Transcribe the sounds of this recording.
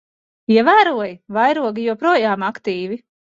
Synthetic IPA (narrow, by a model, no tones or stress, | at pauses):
iɛvæːɾuɔjvajɾuɔɡijuɔpɾuɔjaːmakt̪iːvi